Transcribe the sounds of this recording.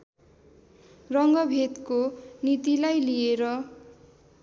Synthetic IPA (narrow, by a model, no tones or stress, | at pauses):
rʌŋɡʌbʱet̪konit̪ilajlieɾʌ